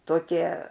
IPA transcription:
toːˈkʲiɛ

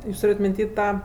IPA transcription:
ˈjuːs ˈtuːrʲeːtʲ mʲɪnʲˈtʲiː ˈtɑː

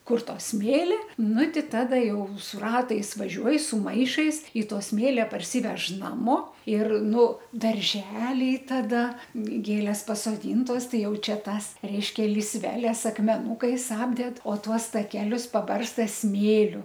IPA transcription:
ˈkʊr ˈtoː ˈsʲmʲeːlʲɪ ˈnʊ ˈtʲɪ ˈtɑːdɐ ˈjɛʊ sʊ ˈrɑːtɐɪs ʋɐˈʒʲuɔj sʊ ˈmɐɪʃɐɪs ɪ ˈtoː ˈsʲmʲeːlʲɛ pɐrʲˈsʲiːʋʲɛʃ ˈnɑːmoː ɪr ˈnʊ dɐrʲˈʒʲæːlʲɛɪ tɐˈdɐ ˈɡʲeːlʲeːs pɐsoːˈdʲiːntoːs ˈtɐɪ ˈjɛʊ ˈt͡ʃʲɛ ˈtɑːs ˈrʲɛɪʃʲkʲɛ lʲiːsʲˈʋʲæːlʲɛs ɐkmʲɛˈnuːkɐɪs ˈɑːbʲdʲɛt oː ˈtuɔs tɐˈkʲæːlʲʊs pɐˈbɐrstɐ ˈsʲmʲeːlʲʊ

